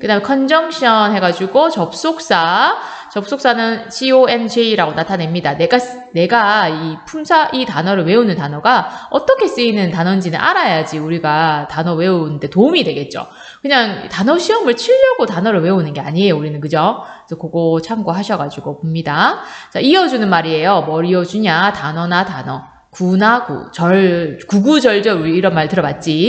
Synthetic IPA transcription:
kɯdame̞kʰʌnd͡ʑʌŋɕʰiʌnɦe̞ɡad͡ʑuɡot͡ɕʌp̚s͈ok̚s͈at͡ɕʌp̚s͈ok̚s͈anɯnt͡ɕʰioe̞md͡ʑiiɾaɡonatʰane̞mɲidane̞ɡa | ne̞ɡaipʰumsʰaʔitanʌɾɯɭwe̞unɯntanʌɡaʌt͈ʌkʰe̞s͈ɯinɯntanʌnd͡ʑinɯnʔa̰ɾajad͡ʑiuɾiɡatanʌwe̞unnde̞toumidwe̞ɡe̞t̚t͡ɕ͈o̰ | kɯɲaŋitanʌɕʰiʌmɯɭt͡ɕʰiʎːʌɡotanʌɾɯɭwe̞unɯnɡe̞aɲie̞jouɾinɯnkɯd͡ʑʌ | isʰʌkoɡot͡ɕʰaŋɡoɦaɕʰʌɡad͡ʑuɡopomɲidat͡ɕaiʌd͡ʑunɯnmaɾie̞jʌmʌɾiʌd͡ʑuɲatanʌnatanʌ | kunakṵt͡ɕʌɭkuɡud͡ʑʌɭd͡ʑʌuɾiiɾʌnmaɾtɯɾʌbat̚t͡ɕ͈i

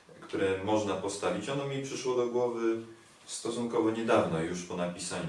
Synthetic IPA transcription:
kt̪uɾɛmɔʐnapɔst̪avʲit͡ɕɔnɔmʲipʂɘʂwɔd̪ɔɡwɔvɘ | st̪ɔsunkɔvɛɲɛd̪avnɔjuʂpɔnapʲisaɲu

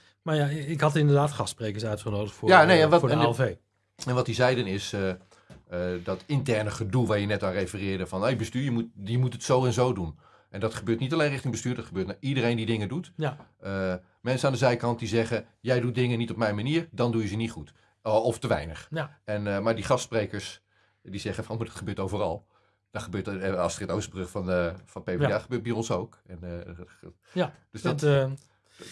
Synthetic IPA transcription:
maɹjaɪkhɑtɪndərdaːtχɑstsprekəɹsœɥtχənoːdəχtfjanejɛnʋɔɛnlˠvej | ɛnʋɔt̚dizɛjdənɪsə | ədɔtɪntɛrnəχədulˠʋajənɛtʋarejfərɪːdəfɔnojbəstyːjəmutjəmutətsowɛnzoːdun | ʔɛndɔtχəbøːɹtnitalejnrɪχtɪŋbəstyːrdɔtχəbøːɹtnaidərejndidɪŋədutə | mɛnsənandəzɛjkɑnt̚dizɛɣə | jɛjdut̚dɪŋənitɔp̚mɛjnmaniːərdɑndujəzənitχut | ɔftəʋɛ̰jnəχɛnmaɹdiχɑstsprejkəɹs | dizɛχənfɔnudɔtχəbøːɹtowvərɑ̰lˠ | dɔχəbøːɹtɑstrɪtowsbrøχfɔnəfnpevaχəbøːt̚bɛjɔnsowkɛn | d̥øsd

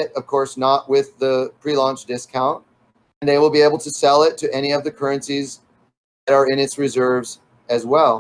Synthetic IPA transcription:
ɾʌv̥kʰɔɹsnəʔ̚wɪðəpʰɹ̥ilɔ̃nt͡ʃd̥ɪskʰãʊ̃nt̚ | nðeɪwəlˠbieɪbl̩ˠtʰɨsɛlˠɪtʰɨʔɛɾ̃iʌvðɨkʰɜ˞ɨ̃nsiz | ðɨɾə˞ɪ̃nɨtsɹɨzɜ˞vz | ɨzwɛlˠ

